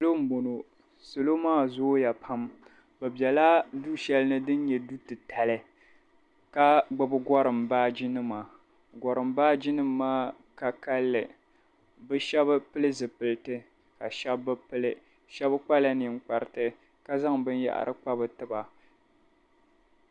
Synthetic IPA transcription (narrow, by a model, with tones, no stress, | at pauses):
so˦lo˦m̩˦bo˨no˨ | so˨lo˦maː˦˨zo˦ja˨pʰa˦m | bɛ˨bjɛ˨la˦du˦ʃɛ˦lɨ˦nɨ˦dɨ˦n˦ɲɛ˨du˦tɨ˨tʰa˨lɨ˨ | ka˦ɡ͡ba˨bɨ˦ɡɔ˦ɾɨ˨mbaː˦d͡ʒi˦nɨ˦ma˨ | ɡɔ˨ɾɨ˨mbaː˦d͡ʒɪ˦nɨ˦mː˦aː˦ | ka˨ka˦lːɨ˨ | bɨ˦ʃɛ˦bɨ˦pɨ˦lɨ˦zɨ˨pɨ˨lɨ˦tɨ˦ | ka˨ʃɛ˦bːɨ˦pɨ˦lɨ˨ | ʃɛ˦bɨ˦k͡pa˦la˦ni˨ŋ˦k͡pa˨ɾɨ˨tɨ˨ | ka˦za˦ŋbɨ˦n˦ja̰˦˨ʔa̰˨ɾɨ̰˦k͡pa˦bɨ˨tɨ˨ba˨